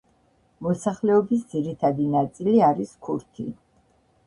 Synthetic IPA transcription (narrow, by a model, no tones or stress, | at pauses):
mɔsaχlɛɔbis̬d̪ziɾit̪ʰad̪inat̪sʼiliaɾiskʰuɾt̪ʰḭ